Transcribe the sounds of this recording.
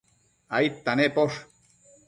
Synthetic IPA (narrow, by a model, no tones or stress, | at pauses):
ajt̪ːanepoʂ